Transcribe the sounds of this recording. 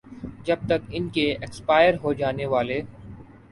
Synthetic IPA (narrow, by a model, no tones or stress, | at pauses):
d͡ʒɐb̚t̪ɐkɪnkeɛkspaːɪjəɾɦod͡ʒaːneʋaːle